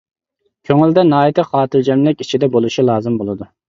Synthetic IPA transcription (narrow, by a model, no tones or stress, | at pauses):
kʲʰøŋyld̪ɛnɑːit̪ʰɪχɑːt̪ʰɨɾd͡ʒɛmlɪkʲit͡ʃʰid̪ɛbolˠuʃilˠɑːzɨmbolˠɨd̪u